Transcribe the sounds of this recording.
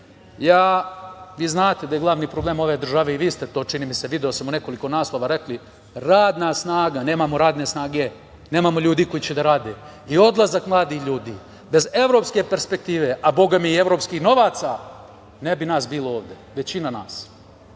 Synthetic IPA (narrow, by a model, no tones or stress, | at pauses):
jaːʋiːznaːt̪ed̪ajeɡlˠaʋniːpɾoblˠeːmo̞ʋe̞d̪r̩ʒaʋe̞iʋiːst̪e̞t̪o̞ːt͡ʃiniːmise̞ʋid̪eosmone̞ko̞liko̞naːslˠo̞ʋaɾe̞kli | ɾaːd̪nasnaːɡane̞ːmamo̞ɾaːd̪ne̞snaːɡe̞ | neːmamo̞ʎuːd̪iːko̞jit͡ɕed̪aɾaːd̪e | io̞d̪lˠazakmlˠaːd̪ixʎuːd̪ḭː | be̞ze̞ʋɾo̞pske̞pe̞ɾspe̞k̚t̪iːʋe̞ʔabo̞ɡamiie̞ʋɾo̞ːpskixno̞ʋaːt̪sa | nebinaːsbiːlooːʋd̪eʋe̞t͡ɕinanaːs